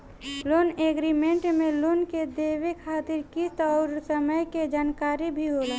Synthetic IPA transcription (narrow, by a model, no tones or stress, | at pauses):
loːneːɡɾimẽɳʈmẽloːnked̪eːwekʰaːt̪ɪɾkist̪ɔːɾsəməjked͡ʒaːnkaːɾibʱiɦola